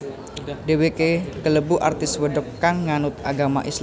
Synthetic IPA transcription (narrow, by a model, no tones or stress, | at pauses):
dewekekələbuʔa̰rt̪ɪswədɔkːaŋːanʊt̪aɡamaʔis